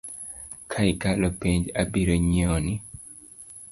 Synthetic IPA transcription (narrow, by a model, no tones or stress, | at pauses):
kʰaikalɔpeɲd͡ʒabiɾoɲɔni